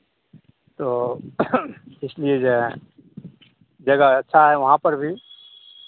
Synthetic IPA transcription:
t̪oː | ɪslied͡ʒe | d͡ʒɐɡaɐtːʃʰaɦɛʋɐɦãpɐɾbʱi

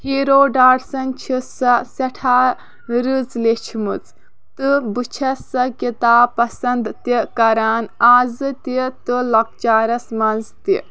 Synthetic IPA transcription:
hiːɾoːɖaːɽsɐnt͡ʃʰisɐsɐʈʰaː | ɾɨt͡slet͡ʃʰimɨt͡s | t̪ɨbɨt͡ʃʰɐsɐkit̪aːpɐsɐnd̪t̪ikɐɾaːnaːzɨt̪it̪ɨlɐk̚t͡ʃaːɾɐsmɐnzt̪ḭ

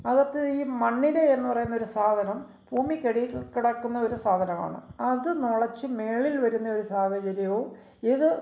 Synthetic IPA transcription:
ɐɣɐt̪ːɨiːmɐɳːileenːɨpɐrɐjunːo̞ɾusaːd̪ʱɐnɐm | bʱuːmikʲːɐɽikiɽɐkːunːɐo̞ɾusaːd̪ʱɐnɐma̰ːɳɨ̰ɐðɨnoɭɐt͡ɕːɨme̞ːɭilʋɐɾunːɐo̞ɾusaːhɐd͡ʑɐɾjɐjo̞ː | iðɨ

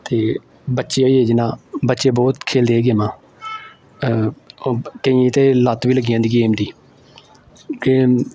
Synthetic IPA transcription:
t̪eː | bətːʃeːoːiːeːd͡ʒɪnaːbətːʃeːbɔːt̪kʰeːld̪eːeːɡeːmãː | kəĩt̪eːlat̪ʋiːləɡɪjãːnd̪iːɡeːmd̪iː | ɡeː

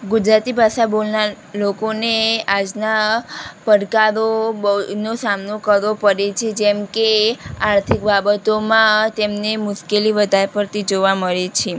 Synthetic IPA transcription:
ɡud͡ʒɾat̪ibʱaʃabolna | lokonead͡ʒnapəɽkaɾobənosamnokəɾʋopəɾet͡ʃʰed͡ʒɛmkeaɾt̪ʰik̚babət̪omãt̪emnemʊʃkeliʋəd̪ʱaɾpəɾt̪ʰid͡ʒoʋaməɾet͡ʃʰe

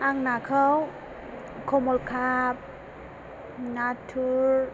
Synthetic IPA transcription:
aŋnakʰəw | kʰɔmɔlkʰap̚ | natʰuɾ

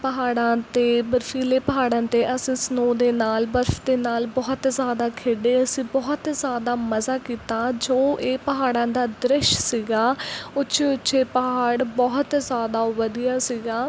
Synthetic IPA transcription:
pəɦaːɽãːt̪eːbəɾfʰiːleːpəɦaːɽãːt̪eːʔəsĩːsnoːd̪eːnaːlbəɾfd̪eːnaːlbɔːt̪zjaːd̪aːkʰeːɖeːəsĩːbɔːt̪zjaːd̪aːməzaːkiːt̪aːd͡ʒoːʔeːpəɦaːɽãːd̪aːd̪ɾɪʃsiːɡaːʊtːʃʰeːʊtːʃʰeːpəɦaːɽbɔːɦt̪zjaːd̪aːʋəd̪ijaːsiɡaː

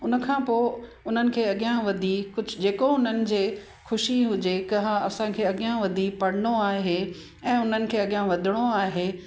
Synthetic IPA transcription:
ʊnəkʰãːpoːɪ | ʊn̤ənɪ̆kʰeːɐɠijãʋɐd̪ʱikʊd͡ʑʱʊ̆d͡ʑeːkoʊn̤ənɪ̆d͡ʑeː | xʊʃiɦʊd͡ʑekɐɦãɐsãkʰeːɐɠijãʋɐd̪ʱipɐɽ̤ɪnoaːɦe | ɛ̃ːʊn̤ənɪ̆kʰeːɐɠijãʋɐd̪ʱɪɽ̃oaːɦeː

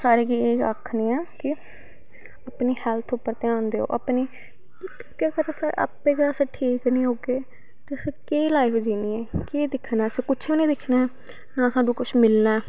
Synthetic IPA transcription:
saːɾeːkiːeːka̰kʰnĩːɛːkɪ | apniːhɛːlt̪ʰʊpːəɾt̪eãːnd̪eːo̰ːʔa̰pniː | kɪʈjaːkəɾsa̰ːa̰pːẽːɡəsẽːʈʰiːknĩːɦoːɡeː | t̪eəsekeːlaːipd͡ʒiːniːɛːkeːd̪ɪkʰnaːəsẽːkʊt͡ʃʰiːnĩːd̪ɪkʰnaː | nãːsãːɖũːkʊt͡ʃʰmɪlnaː

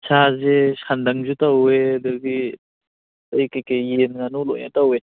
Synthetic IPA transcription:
sʰazesandaŋzutawedɯɡi | ɯjkajkejenŋanulɔ̰jna̰tawe

